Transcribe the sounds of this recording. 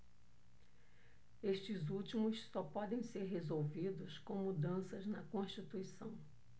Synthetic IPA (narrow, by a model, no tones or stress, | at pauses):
eʃt͡ʃɪzut͡ʃimʊssɔpɔd̪ẽj̃seɾɦezowvid̪ʊskõw̃mud̪ɐ̃sɐznɐkõʃt͡ʃit̪uisɐ̃w̃